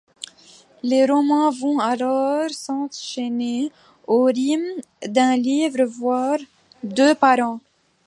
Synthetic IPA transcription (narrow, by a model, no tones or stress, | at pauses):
leʁɔmɑ̃vɔ̃alɔʁsɑ̃t̪ʃene | oʁim | d̪ɛ̃livʁəvwaʁ | d̪øpaʁɑ̃